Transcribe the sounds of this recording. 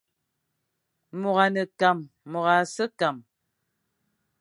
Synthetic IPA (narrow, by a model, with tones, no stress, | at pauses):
mo˨ɣa˨nə˨ka˨mː | o˨ɣa˨sə˦ka˨m